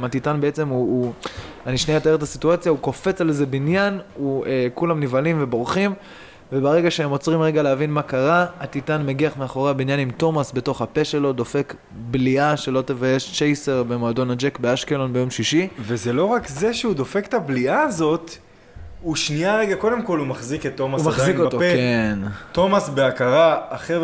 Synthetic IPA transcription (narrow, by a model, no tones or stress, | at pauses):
mat̪itanbee̞t͡se̞muː | aniʃniat̪ae̞et̪̬asituat͡sjauko̞fe̞t͡salze̞binjanuekulamnivalimvebo̞ʁχim | ve̞baʁe̞ɡaʃehemo̞t͡sʁimʁe̞ɡaleavinmakaʁaːt̪itanmeɡiaχmeaχo̞ʁeabinjanimto̞masbe̞to̞χhape̞ʃe̞lo̞d̪o̞fe̞k | bliaʃe̞lo̞t̪evaje̞ʃt͡ʃejse̞ʁbe̞moado̞nad͡ʒekbe̞aʃkelo̞nbe̞jo̞mʃiʃivezelo̞ʁakze̞ʃeud̪o̞fekt̪abliaːzo̞t | uʃniaʁe̞ɡako̞de̞mko̞lumaχziket̪ːo̞masumaχzikotokent̪o̞masbeakaʁaːχev